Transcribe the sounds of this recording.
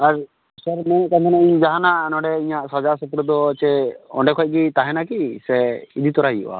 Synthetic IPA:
aɾ | səɾmɛ̃ʔkank̪ʰɔnaʔiɲd͡ʒaɦanaʔnɔɖɛiɲaʔsɔd͡ʒasupɾud̪ɔt͡ʃɛɔ̰ɳɖɛkʰɔc̚ɡit̪aɦɛnakisɛid̪ʱit̪ɔɾajṵʔa̰

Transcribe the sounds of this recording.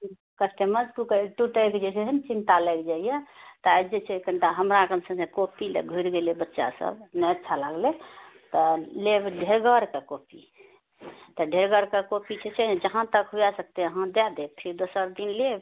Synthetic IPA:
kəsʈ̪eməʈukʈuʈəked͡ʒet͡ʃʰeɦənt͡ʃint̪alɛkd͡ʒaijɛt̪ɔad͡ʒet͡ʃʰɛkəɳʈaɦəmɾakənsə̃sẽkopilḛɡʱuɾɡelebətːʃa̰sə̰bnɛət̪t͡ʃʰalaɡlet̪ɔlebɖʱeɾɡəɾkekopi | t̪ɔɖʱeɾɡəɾkekopit͡ʃʰɛt͡ʃʰɛd͡ʒəɦãt̪əkɦujasək̚t̪eəɦãd̪ɛd̪epʰiɾd̪osəɾd̪inleb

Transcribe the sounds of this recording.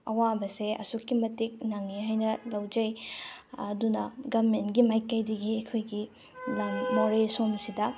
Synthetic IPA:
ɐwabɐseɐ̰sukːimɐtik̚naŋːiɦajnɐlɐwd͡ʒɐj | ɐdunɐɡɐmentɡimajkːɐjdɐɡiɐkʰojɡi | lɐmːoɾesomsidɐ

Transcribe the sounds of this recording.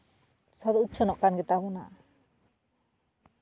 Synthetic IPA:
sɔd̪ɔutːt͡ʃʰɔnɔʔkanɡɛt̪aβɔna̰ʔ

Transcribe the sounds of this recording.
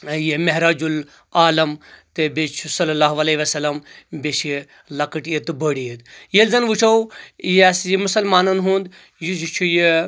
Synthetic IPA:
jemeɦɾaːd͡ʒul | aːlɐmt̪ebet͡ʃʰusɐlɐlaːɦʋɐleːʋɐsɐlːɐmbet͡ʃi | lɐkɐʈjet̪ɨbəɽied̪jelzɐnʋut͡ʃʰɐwjeɐsjimʊsɐlmaːnɐnɦũːnd̪ | jud͡ʒit͡ʃʰuje

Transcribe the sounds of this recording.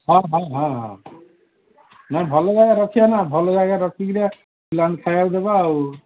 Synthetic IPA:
ɦɔ̃ɦãɦãɦã̰ | nabʱɔlod͡ʒaɡaɾɔk̪ʰijanabʱɔlod͡ʒaɡaɾɔkʰiɡɾa | silankʰajawd̪ebaːw

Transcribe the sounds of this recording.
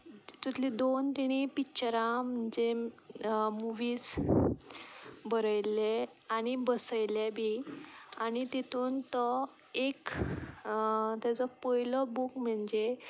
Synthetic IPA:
t̪ut̪ʰlid̪ont̪iɽ̃ipikt͡ɕəɾãm̤əɳd͡ʑe | muʋiːs | bəɾəjle | aɽ̃ibəsəjljebʱiañit̪it̪ʰuːnt̪ɔ | ek | t̪jat͡sɔpɔjlɔbukm̤əɳd͡ʑe

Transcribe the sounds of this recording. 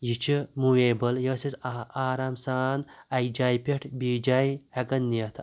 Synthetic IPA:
jit͡ʃʰimueːbəljəːsisaːɾaːmsaːnɐjkd͡ʒaːjpʲeʈʰbiːd͡ʒajhɐkɐnːiɐt̪ʰ

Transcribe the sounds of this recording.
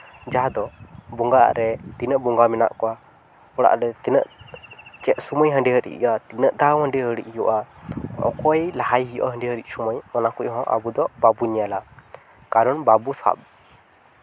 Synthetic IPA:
d͡ʒaɦad̪ɔbuŋɡaa̰ʔɾɛt̪inəʔbuŋɡamɛna̰ʔkɔwa | ɔɽa̰ʔɾɛt̪inəʔ | t͡ʃɛʔ̪̚suməjɦəɳɖiɦəɾḭʔjat̪inəʔd̪awɦəɳɖiɦəɽḭc̚ˀjɔʔaɔ̰kɔjlaɦajɦijɔ̰ʔɦəɳɖiɦəɾic̚ˀsɔməjɔnakuc̚hɔ̃ʔa̰bud̪ɔbabuɲɛjala | kaɾɔnbabusa̰p̚

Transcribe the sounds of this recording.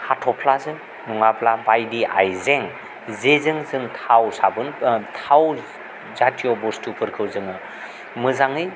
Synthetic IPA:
hatʰɔpʰlazɯŋ | nuŋapʰlabajdiʔa̰jzeŋ | zezɯŋzɯŋtʰawsabɯntʰaw | zatʰijɔbɔstʰupʰɯɾkʰɯwzɯŋɯ | mɯzaŋɯj

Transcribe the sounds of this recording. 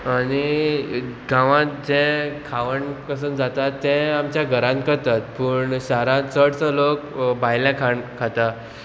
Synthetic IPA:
aɽ̃i | ɡãʋãt̪̚d͡zẽkʰaʋəɳkəs̬əːnd͡zat̪at̪ːɛ̃amt͡ɕjaɡʱəɾãnt̪̚kəɾt̪at̪̚pəɳɕaɾãt̪t͡səɽt͡səlokbʱajljãkʰaɳkʰat̪a

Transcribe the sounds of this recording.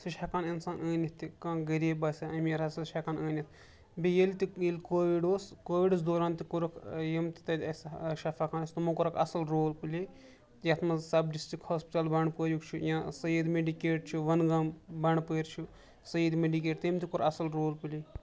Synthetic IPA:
siʃakaninsaːnəːnʲit̪ikãːɡɐɾiːbɐsʲɐɐmɾɐsiʃakanəːnʲit̪ʰ | bijelt̪ijilʲkoːʋiɖoːskoːʋiɖɨsd̪oːɾaːnt̪ikuɾɐkʰjimt̪i̥t̪ɐd̪ʲɐsʃɐfaːkaːnɐsʲt̪umukuɾɐkʰɐ̰sɐlɾoːlpɨlʲi | jɐt̪ʰmɐzsɐbɖisʈikhoːspiʈɐlbɐɳpəːɾukt͡ʃʰujãːsɐjid̪meɖikeːʈ̚t͡ʃʰuʋɐnɡɐmbɐɳpəːɾt͡ʃʰu | sɐjiːd̪meɖikeːʈt̪ɐmt̪ikuɾɐsɐlɾoːlpɨli

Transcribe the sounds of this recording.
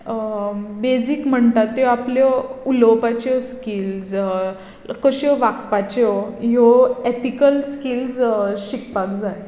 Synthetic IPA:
bed͡zikm̤əɳt̪at̪ːjɔapljɔulopat͡ɕɔskilz | koɕɔʋak̚pat͡ɕɔɦjɔet̪ikəlskilsɕikpak̚d͡zaj

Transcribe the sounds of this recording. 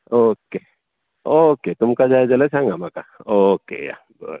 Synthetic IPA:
oːke | oːket̪ʊmkad͡ʒaːed͡ʒɐlət͡ʃʰãːŋɡamaːkaoːkḛja̰ | bɔt̪

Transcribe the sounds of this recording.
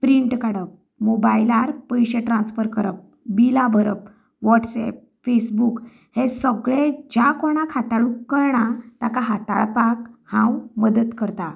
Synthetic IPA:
pɾiɳʈkaɽəp̚ | mobailaɾpəjɕeʈɾãnsfəɾkəɾəp̚ | bilabʱəɾəp | ʋɔʈsɛ̰p̚ | fesbuk | hesəɡɭẽd͡ʑjakoɳ̃akʰat̪aɭukəɾɳat̪akaɦat̪a̰ɭpakhãwməd̪ət̪kəɾt̪a

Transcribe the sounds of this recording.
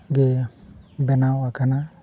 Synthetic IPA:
ɡebɛnawakana

